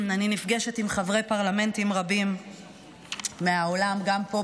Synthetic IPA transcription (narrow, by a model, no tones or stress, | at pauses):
aninifɡe̞ʃetimχavʁe̞jpaʁlame̞ntimʁabim | eaolamɡampo̞